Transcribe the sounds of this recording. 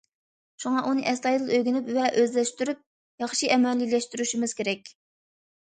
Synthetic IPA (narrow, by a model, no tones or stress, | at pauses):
ʃuŋɑʔunɨʔɛst̪ɑjd̪ɨlˠøjɡʲynypvɛʔøzlɛʃt̪yɾyp̚ | jɑχʃiʔɛmɛlːilɛʃt̪yɾyʃimɪz̥kʲʰeɾɛkʲ